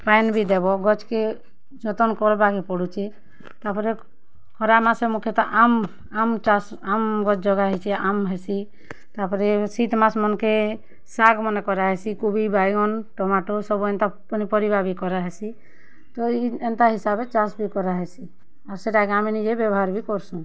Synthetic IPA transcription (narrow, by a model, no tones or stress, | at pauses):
panbʱid̪ɛbɔɡɔt͡ʃke | d͡ʒɔt̪ɔnkɔɾbakepɔɽut͡ʃʰi | t̪apɔɾe | kʰɔɾamasemukʰjɔt̪ɔʔam | amt͡ʃas | amɡɔt͡ʃd͡ʒɔɡaɦɛt͡ʃʰiamɦɛsi | t̪apɔɾesit̪masmɔnke | saɡmɔnekɔɾaɦesikubibajɡɔnʈɔmaʈosɔbuent̪apɔnipɔɾibabikɔɾaɦɛsi | t̪ɔient̪aɦisabet͡ʃasbikɔɾaɦɛsi | aɾseʈakeaminid͡ʒebjɔbɔɦaɾbikɔɾsũ